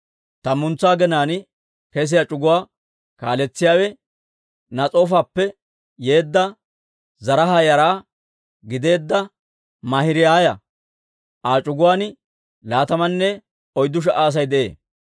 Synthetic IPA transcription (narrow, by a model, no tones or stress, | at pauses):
t̪ɐmʊnt͡sːaːɡɛnaːn | kɛs̬ɪjat͡ʃʼʊɡʊwaː | kaːlɛt͡sːɪjaːwɛ | nɐt͡sʼo̞ːfaːpːɛ | je̞ːd̪ːɐ | zɐɾɐɦajɐɾaː | ɡɪd̪e̞ːd̪ːɐ | mɐhɪɾɪjaːjɐ | aːt͡ʃʼʊɡʊwaːnɪ | laːt̪ɐmɐnːɛ | ɔjd̪ːʊʃ̬ɐʔaːs̬ɐjd̪ɛʔḛː